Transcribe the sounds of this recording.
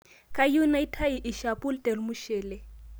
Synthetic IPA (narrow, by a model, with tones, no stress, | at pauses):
kʼa˦ju˦na˦i˦tʰa˦i˨ʔɪ˨ʃa˨pʼʊ˦ltʼɛ˨lmʊ˦ʃɛː˨lɛ˨